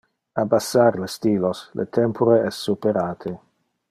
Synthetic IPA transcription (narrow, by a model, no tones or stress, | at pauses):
abasːaɾlest̪iːloslʔḛt̪ʰɛmpʰoɾeɛsːupeɾaːt̪ʰe